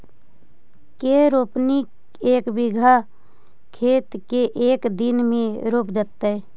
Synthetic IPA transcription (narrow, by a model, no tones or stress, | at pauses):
keɾoːpnik | eːkbɪɡʱa | kʰeːt̪keʔeːkd̪ɪnmẽɾoːpd͡ʒ̪ət̪ːaɛː